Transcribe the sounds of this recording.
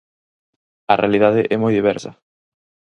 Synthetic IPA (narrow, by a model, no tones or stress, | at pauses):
ɐrealiðaðɪʔɛmojðiβ̞ɛɾsɐ